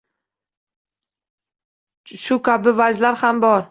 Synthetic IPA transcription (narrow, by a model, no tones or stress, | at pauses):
ʃʊkʲʰabɪvad͡ʒlaɾhambɒɾ